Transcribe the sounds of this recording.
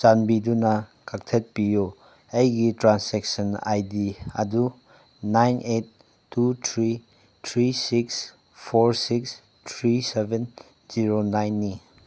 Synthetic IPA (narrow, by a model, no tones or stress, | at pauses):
t͡ʃanbidunakak̚tʰet̚pijo | ejɡitɾansɛk̚səna̰jdiɐ̰du | najnʔet̚ː | utʰɾi | tʰɾisiks | pʰoɾsiks | tʰɾiseben | ziɾonajnːi